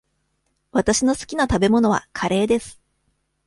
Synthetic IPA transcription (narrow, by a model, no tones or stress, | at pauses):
βat̪aɕino̞sɨ̥kʲinat̪abe̞mo̞no̞βa̰kʰaɾe̞ːd̪e̞sɨ̥